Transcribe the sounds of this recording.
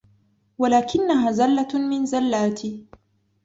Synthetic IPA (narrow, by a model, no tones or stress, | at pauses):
walaːkɪnːaɦaːzalːamɪnzalːaːt̪ʰɪ